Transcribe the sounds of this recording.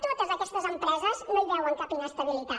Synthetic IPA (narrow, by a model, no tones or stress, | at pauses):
t̪ot̪əzəkɛst̪əzəmpɾɛzəznoiβɛwəŋkapinəst̪əβilit̪a